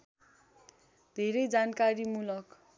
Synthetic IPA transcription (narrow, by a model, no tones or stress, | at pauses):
d̪ʱeɾʌjd͡zankaɾimulʌk